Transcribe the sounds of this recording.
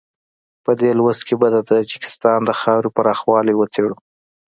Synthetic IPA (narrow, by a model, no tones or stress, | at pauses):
pəd̪elwəzkebad̪ət̪ad͡ʒɪkɪ̥st̪ɑnd̪əxɑwɾepaɾɑxwɑliwət͡seɽu